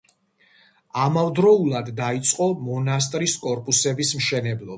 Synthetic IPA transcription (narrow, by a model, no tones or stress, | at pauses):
amavd̪ɾɔulˠad̪ːait̪sʼqʼɔmɔnas̬t̪ʼɾiskʼɔɾpʼusɛbismʃɛnɛblˠɔb